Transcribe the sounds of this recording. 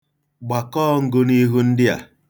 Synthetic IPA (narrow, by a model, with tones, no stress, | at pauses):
ɡ͡ba˨kɔː˦˨ŋ̩˦ɡʊ˦ni˦ɦu˦n̩˦dɪ˦a̰˨